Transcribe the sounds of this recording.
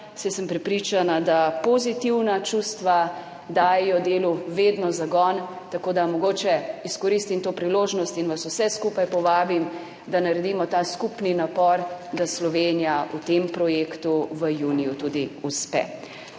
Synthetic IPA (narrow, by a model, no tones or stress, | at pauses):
sɛsəmpɾɛpɾit͡ʃanad̪apozit̪iwnat͡ʃust̪ʋa | d̪aːjɛjɔd̪eːluʋeːd̪nɔzaɡɔn | t̪akoːd̪amɔɡoːt͡ʃɛiskɔɾist̪imt̪oːpɾiloːʒnɔst̪inʋasusɛskupajpɔʋaːbim | d̪anaɾɛd̪iːmɔt̪aːskupninapɔɾd̪aslɔʋenijaʔut̪empɾɔjeːkt̪uʋəjuːnijut̪ud̪iuspɛ̰